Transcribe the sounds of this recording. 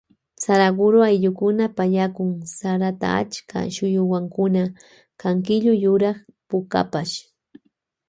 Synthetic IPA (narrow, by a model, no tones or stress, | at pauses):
saɾaɡʊɾʊajʎʊkʊnapaʎakʊŋsaɾat̪a̰a̰t͡ʃkʰa̰ʃʊjʊwaŋkʊna | kaŋkɪʎʊjʊɾɑχpʊka̰paʃ